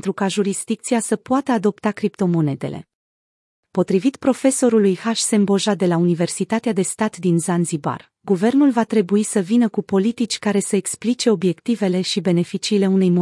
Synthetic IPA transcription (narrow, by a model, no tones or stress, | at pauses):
nt̪ɾukaʒuɾisd̪̥ikt̪siasəpoat̪əad̪o̞pt̪akɾipt̪o̞mo̞ne̞d̪e̞̰le̞̰ | po̞t̪ɾivit̪pɾo̞fe̞so̞ɾulujhaʃse̞mbo̞ʒad̪e̞launive̞rsit̪at̪ead̪e̞st̪at̪d̪inzanziba̰r | ɡuve̞rnulvat̪ɾe̞buisəvinəkupo̞lit̪it͡ʃʲkaɾe̞səeksplit͡ʃe̞o̞bje̞kt̪ive̞le̞ʃibe̞ne̞fit͡ʃiːle̞unejmo